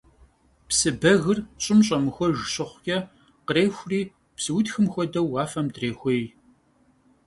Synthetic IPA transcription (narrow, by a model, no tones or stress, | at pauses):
psɨbɐɣɨrɕʼɪmɕʼɐmɨxʷɔʒɨɕɪχʷkʲʼɐ | qəɾeːxʷriː | psɨwʊtxɨmxʷɔdɐwaːfɐmdreːxʷej